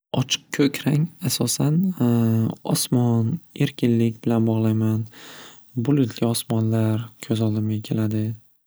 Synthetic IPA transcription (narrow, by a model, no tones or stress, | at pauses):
ɒt͡ʃʰɨ̥qkʲʰɵkʲʰɾaŋasɒsan | ɒ̰smɒne̞ɾkʲʰɪnlɪkʲbɪlanbɒʁlˠajman | bʊlɪt̪ʰlʲɪɒsmɒnlaɾkʲʰɵzɒlˠd̪ɪmɡʲakʲʰe̞lad̪ɪ